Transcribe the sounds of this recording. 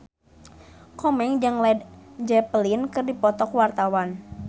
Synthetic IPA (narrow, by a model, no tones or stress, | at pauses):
kɔmɛŋd͡ʒaŋlɛdd͡ʒɛpəlinkɨrdipɔt̪ɔkwart̪awan